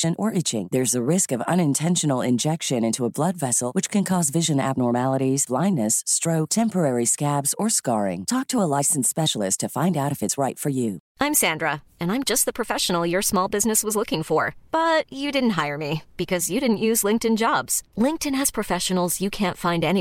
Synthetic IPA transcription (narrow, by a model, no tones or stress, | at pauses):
ʃɨ̃nʔə˞ʔɪt͡ʃɪ̰̃ŋðə˞zəɹɪskʌvʌ̰̃ñɨ̃ntʰɛ̃nʃɨn̩l̩ˠɪ̰̃nd͡ʒɛkʃɨ̃nɪ̃ntʰuəblʌdvɛsl̩ˠwɨt͡ʃkʰɨ̃nkʰɔzvɪʒɨ̃næ̰b̚nɔɹmælˠəɾizb̥lãɪ̃nːɨstɹ̥oʊtʰɛ̃mpə˞ɛɹiskæbz̥ə˞skɑɹɪ̰̃ŋtʰɔk̚tʰəəlaɪsn̩spɛʃl̩ˠɨstʰɨfãɪ̃ndaʊɾʌvɨtsɹaɪtfə˞jʉʔãɪ̃msæ̃ndɹə | ɨ̃nãɪ̃md͡ʒʌst̪̚ðəpʰɹ̥ɨfɛʃən̩l̩ˠjə˞smɔlˠbɪznɨswʌzlʊkɪ̃ŋfə˞b̥ʌt͡ʃɨdɪdⁿn̩t̚ɦaɪə˞mib̥ɨkʰʌzjɨɾɪdⁿn̩ʔjʉzlɪ̃ŋk̚tɨ̃nd͡ʒɑbz̥lɪ̃ŋk̚tɨ̃nɨz̥pʰɹ̥ɨfɛʃɨn̩l̩ˠzjɨkʰæ̃ntfãɪ̃ndɛni